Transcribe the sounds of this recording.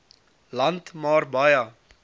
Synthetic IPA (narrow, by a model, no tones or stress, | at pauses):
lɐntmɑːrbɐjɐ